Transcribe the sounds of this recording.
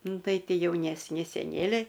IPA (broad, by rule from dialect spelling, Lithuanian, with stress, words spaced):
ˈnʊ ˈtɐɪ ˈtʲɪ jɛʊnʲɛsʲˈnʲɪ sʲɛˈnʲeːlʲɛɪ